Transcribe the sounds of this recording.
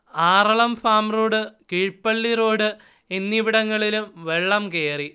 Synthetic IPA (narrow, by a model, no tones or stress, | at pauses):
aːrɐɭɐmfaːmroːɽɨkiɻpːɐɭːiroːɽɨ | enːiʋiɽɐŋːɐɭilumʋe̞ɭːɐmkeːri